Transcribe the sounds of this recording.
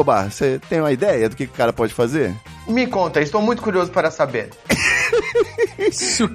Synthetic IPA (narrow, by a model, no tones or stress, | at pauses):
obaset̪ẽj̃ũmɐid̪ɛjɐd̪ʊkɪkɪʊ̥kaɾɐpɔd͡ʒɪfazeɾ | mɪkõnt̪ɐɪst̪owmũj̃t̪ʊ̥kuɾiozʊpaɾɐsabeɾ | ʊ